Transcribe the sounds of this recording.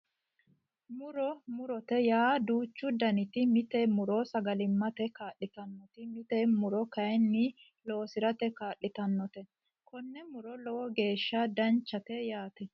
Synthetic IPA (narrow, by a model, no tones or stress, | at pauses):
mʊɾɔmʊɾɔt̪ɛjaːd̪uːt͡ʃːʊd̪ɐnɪt̪ɪmɪt̪ɛmʊɾɔsɐɡɐlɪmːɐt̪ɛkaːɗːɪt̪ɐnːɔt̪ɪmɪt̪ɛmʊɾɔkɐjɛnːɪ | lo̞ːsɪɾɐt̪ɛkaːɗːɪt̪ɐnːɔt̪ɛ | kɔnːɛmʊɾɔlɔwɔɡe̞ːʃːɐd̪ɐnt͡ʃːɐt̪ɛjaːt̪ɛ